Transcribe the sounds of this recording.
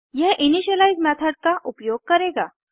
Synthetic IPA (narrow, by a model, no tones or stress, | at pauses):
jɛɦʔiniɕəlaizmɛt̪ʰəɖ̚kaʔupjoɡ̚kəɾeɡa